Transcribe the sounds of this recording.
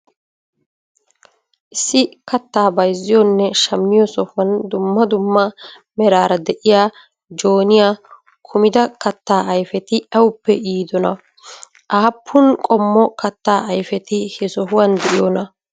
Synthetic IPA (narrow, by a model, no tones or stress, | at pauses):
ʔɪsːɪkɐt̪ːaːbɐjzːɪjɔnːɛʃɐmːɪjɔsɔfʊɐnd̪ʊmːɐd̪ʊmːɐ | mɛɾaːɾɐd̪ɛʔɪjaː | d͡ʒo̞ːnɪjaː | kʰʊmɪd̪ɐkɐt̪ːaːʔɐjfɛt̪ɪʔɐwʊpːɛʔiːd̪ɔnɐ | ʔaːpʰːʊnkʼɔmːɔkɐt̪ːaːɐjfɛt̪ɪhɛsɔhʊwɐnd̪ɛʔɪjɔnɐ